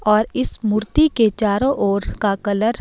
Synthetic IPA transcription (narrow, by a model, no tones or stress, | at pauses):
ɔːɾɪsmʊɾt̪iket͡ʃaːɾõʔoːɾkakɐləɾ